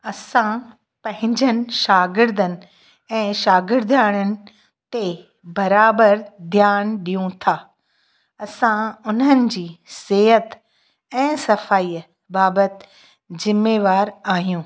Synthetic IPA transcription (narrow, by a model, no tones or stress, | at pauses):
ɐsã | pɐ̃ɦɪ̃ɲd͡ʑənɪ̆ʃaːɡɪɾd̪ənɪ̆ | ɛ̃ːʃaːɡɪɾd̪ʱaːɽ̃ənɪ̆ | t̪e | bɐɾaːbəɾd̪ʱjaːnɗijũt̪ʰaː | ɐsãʊnənɪ̆d͡ʑiːseːɦət̪ | ɛ̃ːsɐfaːiː | baːbət̪ | zɪmːeːʋaːɾaːɦijũː